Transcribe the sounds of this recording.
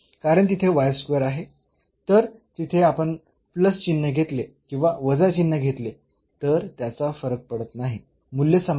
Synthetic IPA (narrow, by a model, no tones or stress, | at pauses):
kaɾəɳt̪it̪ʰeʋajskʋeɾaɦe | t̪əɾt̪it̪ʰeapəɳ | pləst͡ɕinːəɡʱet̪lekĩʋaʋəd͡zat͡ɕinːəɡʱet̪le | t̪əɾt̪jat͡safəɾək̚pəɽət̪naɦi | mulːesəm